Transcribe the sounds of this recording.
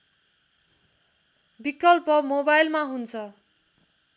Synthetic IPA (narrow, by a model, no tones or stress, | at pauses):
bikʌlpʌmobajlmaɦunt͡sʰʌ